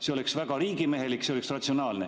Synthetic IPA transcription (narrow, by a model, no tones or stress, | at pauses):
seoleksvæɡ̥ɑɾiːɡime̞ɦelikːseoleksrɑt̪ʲsionɑːlne